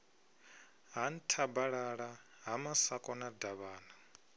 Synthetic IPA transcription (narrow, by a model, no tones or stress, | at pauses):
ɦan̩tʰabaɺaɺa | ɦamasakʼɔnadaβaːna